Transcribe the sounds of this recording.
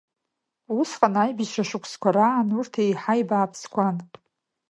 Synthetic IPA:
usqʼanajbizʃʷaʃʷʊkʷʰskʷaɾaːnurtʰejħajbaːpʰskʷan

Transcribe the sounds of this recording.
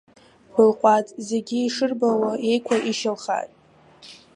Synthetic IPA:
χʷʊlqʷʼatʼze̞ɡʲiiʂɨrbawae̞jkʷʰaʔiʃalχa̰tʼ

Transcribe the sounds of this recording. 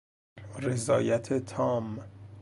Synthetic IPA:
ɾe̞zɒːjæt̪ʰet̪ʰɒːm

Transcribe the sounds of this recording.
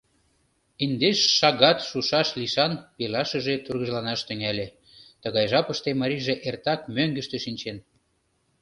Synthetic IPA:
ind̪eʃːɑɣɑt̪ʃuʃɑʃliʃɑnpelɑʃəʒet̪urɣə̆ʒlɑnɑʃt̪ə̆ŋælʲe | t̪əɣɑjʒɑpəʃt̪emɑɾʲiʒeʔert̪ɑkmøŋɡə̆ʃt̪ĕʃinʲt͡ɕen

